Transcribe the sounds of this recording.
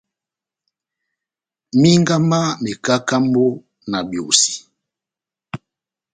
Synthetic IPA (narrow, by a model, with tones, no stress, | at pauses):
mi˦ŋ˦ɡa˦ma˦me˨ka˦ka˦mbo˦ | na˨bjo˨si̥˨